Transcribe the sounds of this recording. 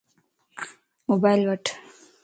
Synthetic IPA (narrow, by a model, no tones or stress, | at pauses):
mobajlʋɐʈʰ